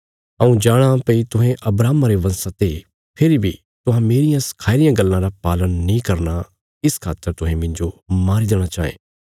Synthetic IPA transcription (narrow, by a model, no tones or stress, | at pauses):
ɐũd͡ʒaːɽ̃apɐit̪ʊɦẽʔɐbɾaːmaɾeʋɐ̃nsat̪e | pʰɪɾibʱi | t̪ʊɦãmeːɾɪjãsɐ̥kʰaːɪɾɪjãɡɐlːãɾapaːlənːĩkɐɾna | ɪskʰaːt̪ːəɾt̪ʊɦẽmɪ̃ɲd͡ʒomaːɾid̪eːɽ̃at͡ʃaːḛː